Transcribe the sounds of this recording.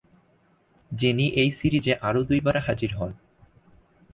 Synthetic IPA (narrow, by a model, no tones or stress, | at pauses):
d͡ʑiniʔejsiɾid͡ʑeʔaɾod̪ujbaɾaɦad͡ʑiɾɦɔn